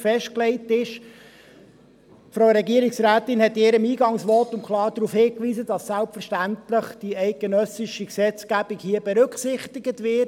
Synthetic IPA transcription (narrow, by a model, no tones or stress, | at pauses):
fɛʃtklɛɪtɪʃ | fɾoʊɾɛɡiəɾɪksɾæːtɪnhɛtːɪːɾəmiːɡɑŋsʋɔtʊnkχlɑːɾdɾuːfhɪːkʋiːzədɑsːælpfəɾʃtæntləχd̥iɛɪk̚ɡ̥ənœsɪʃiksɛt͡sɡ̥æb̥ikhiːəb̥ɛɾɵkχsɪχtɪɡətʋɪ